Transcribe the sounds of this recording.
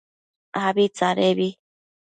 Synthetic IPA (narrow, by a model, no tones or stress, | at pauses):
aβit͡saɾeβi